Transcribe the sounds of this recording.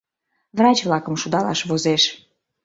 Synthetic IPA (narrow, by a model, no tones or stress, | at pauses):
vrɑt͡ɕvlɑkəmʃud̪ɑlɑ̰ʃβozeʃ